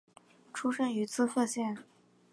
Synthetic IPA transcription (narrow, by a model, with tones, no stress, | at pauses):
ʈ͡ʂʰu˥ʂə˥ŋy˧˥t͡sʰɹ̩˥˧fɤ˥˧ɕjɛ˥˩n